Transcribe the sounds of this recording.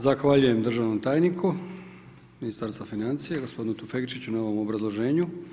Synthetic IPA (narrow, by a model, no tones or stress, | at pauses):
zaxʋaʎuje̞md̪r̩ʒaʋno̞mt̪aːjnikʰu | minist̪aɾst̪vafinant̪sijaɡospo̞d̪inut̪ufekt͡ʃit͡ɕunao̞ʋo̞mo̞bɾazlˠo̞ʒe̞ːɲu